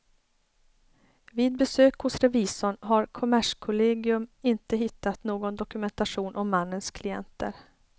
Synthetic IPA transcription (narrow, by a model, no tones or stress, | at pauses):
viːd̪̚bɛsøːkhʊsɾɛviːsɔɳɦaɾkʰʊmæʂkʰʊleːɡɪɵmɪnt̪əɦɪt̪ːat̪noːɡɔnd̪ɔkɵmɛnt̪aʂuːnʔɔmːanːənskʰlɪɛ̰nt̪ʰə̰ɾ